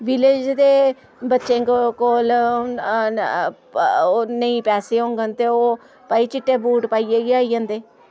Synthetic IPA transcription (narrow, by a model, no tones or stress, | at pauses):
ʋɪled͡ʒd̪eː | bətːʃẽːkkoːl | onəĩːpɛːseːɦõːŋɡənt̪eːoː | paːiːt͡ʃɪʈːeːbuːʈpaːiːeːɡiaːiːə̃ːnd̪eː